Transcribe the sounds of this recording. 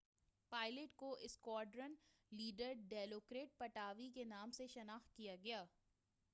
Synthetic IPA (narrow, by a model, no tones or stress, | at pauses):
paːɪleʈkoʔɪskwaːɖɾən | liːɖəɾɖeːloːkɾeːʈ̚pɐʈaːʋikenaːmseʃɐnaːxt̪̚kijaɡɐjaː